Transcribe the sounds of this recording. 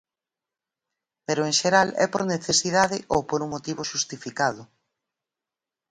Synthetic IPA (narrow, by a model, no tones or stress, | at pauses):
peɾʊeŋʃeɾalɛ̰po̰ɾneθesiðaðɪʔowpoɾuŋmot̪iβoʃust̪ifikað̞ʊ